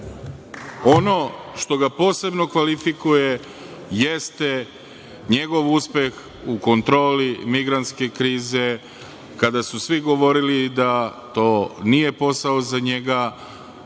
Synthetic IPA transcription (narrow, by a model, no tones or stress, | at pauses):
o̞no̞ʃt̪o̞ɡapo̞ːse̞bno̞kʋalifikuje | jest̪e | ɲe̞ɡo̞ʋuspje̞x | uko̞nt̪ɾo̞ːlimiɡɾant̪ske̞kɾiːze̞ | kad̪asusʋiɡo̞ʋo̞ɾilid̪at̪o̞ːnije̞po̞saozaɲe̞ɡa